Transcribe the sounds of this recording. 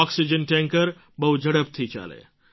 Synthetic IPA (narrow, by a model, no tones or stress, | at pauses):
ɔksid͡ʒənʈẽŋkəɾ | bɐɦud͡ʒɐɽəp̚t̪ʰit͡ʃa̰ːlḛ